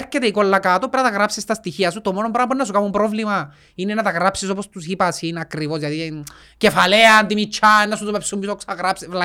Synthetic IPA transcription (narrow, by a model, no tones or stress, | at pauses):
ɾcet̪eikolːakat̪o̞peɾɐt̪ɐɣɾapsist̪ɐst̪içiɐsut̪o̞monompɾaɐpuenːɐs̬ukamumpɾo̞vlimɐ | inenat̪aɣɾapsiso̞p̬ost̪usipasinɐkɾivo̞sʝɐt̪i | ce̞fale̞ɐnt̪imit͡ʃʰːaenːas̬ut̪upepsumːisoksaɣɾapsevla